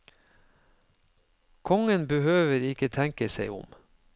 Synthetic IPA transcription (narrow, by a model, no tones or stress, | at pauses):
kʰɔŋənbəhøːʋəɾɪkət̪ʰæŋkəseɪʊ̰m